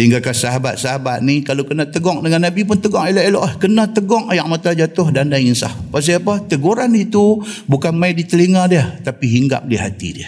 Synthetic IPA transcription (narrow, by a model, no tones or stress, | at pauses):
səɦiŋɡakasaɦaba̰t̪̚saɦabat̪̚nikalokənat̪əɡɔŋdəŋanːabip̬ʊnt̪əɡɔŋelɔʔelɔʔahkənat̪əɡɔŋajaʔ̚mat̪ad͡ʒat̪ʊɦdandansa̰hpas̬iapat̪əɡuɾanit̪ubukanmaɪdit̪əliŋadiəht̪apiɦiŋɡa̰p̚diɦa̰t̪ḭdiə